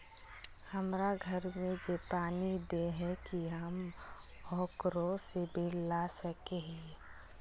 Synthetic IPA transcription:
həmɾaɡʱəɾmẽd͡ʒepaːnid̪eɦɛkiɦəm | ɔːkɾõsebʱillasəkeɦĩ

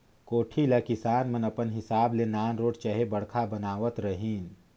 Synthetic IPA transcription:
koːʈʰilɐkɪsaːnmɐnɐpənɦɪsaːblenaːnɾoːʈt͡ʃɐɦebɐɽkʰabɐnaːʋət̪ɾɐɦiːn

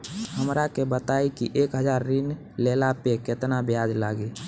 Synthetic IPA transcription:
ɦəmɾakebət̪aːikiʔeːkɦəd͡ʒaːɾːin | leːlapekɪt̪nabjaːd͡ʒlaːɡi

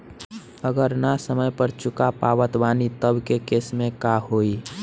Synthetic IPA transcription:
əɡəɾnasəməjpəɾt͡ʃʊkapaːʋət̪ʋaːnit̪əbkekeːsmẽkahoːi

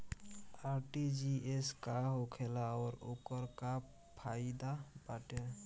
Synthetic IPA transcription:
aɾʈid͡ʒieskaɦokʰelaɔɾokɔɾka | pʰajd̪abaʈe

